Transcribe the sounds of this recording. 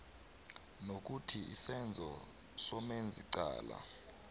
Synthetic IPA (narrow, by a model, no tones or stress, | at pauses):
nok̬utʰiḭsɛnd͡zʱɔ | sɔmend͡zʱiǀa̰ːla̰